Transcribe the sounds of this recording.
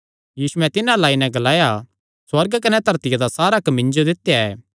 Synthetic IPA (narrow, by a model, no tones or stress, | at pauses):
jiːsʊɛ̃t̪ɪnãlaːinɛ̃ɡɐlaːja | swɐɾɡkɐnɛt̪ɐɾt̪ɪjad̪asaːɾakɐmɪ̃nd͡ʒod̪ɪt̪ːjaɛː